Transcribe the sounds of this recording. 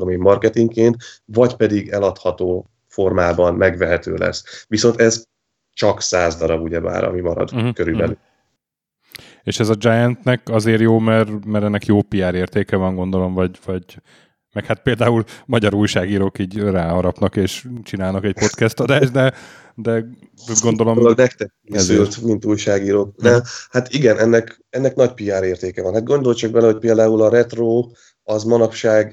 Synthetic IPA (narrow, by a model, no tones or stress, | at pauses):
omeːmːɒrkɛt̪iŋkeːnt̪vɒɟpɛd̪iɡɛlɒt̪hɒt̪oː | fo̞rmaːbɒnmɛɡvɛɦɛt̪ø̰ːlɛ̰sviso̞nt̪ɛz | t͡ʃɒksaːzd̪ɒɾɒbuɟɛba̰ːɾɒ̰mimɒɾɒ̰d̪̩ɦ̩køɾybɛl | eːʃɛzɒd͡ʒajɛnt̪nɛkɒzeːɾjoːmɛrmɛɾɛnːɛkjoːpijɛɾeːrt̪eːkɛvɒŋɡo̞nd̪o̞lo̞mvɒɟvɒɟ | mɛkhat̪̚peːld̪aːulmɒɟɒɾuːjʃaːɡiːɾoːkiːɟraːɦɒɾɒpnɒkeːʃt͡ʃinaːlnɒkɛcpo̞t̪kɛst̪ɒd̪aːʒd̪ɛ | d̪ɛ | ɡo̞nd̪o̞lomɡnɛk̚t̪ɛkkɛzylt̪mint̪uːjʃaːɡiːɾoːknɛmhat̪iɡɛnʔɛnːɛk | ɛnːɛknɒcpiaːɾeːrt̪eːkɛvɒnhat̪̚ɡo̞nd̪o̞lt͡ʃɒɡ̚bɛlɛho̞c̚peːld̪aːulɒɾɛt̪roː | ɒzmɒnɒpʃaːɡ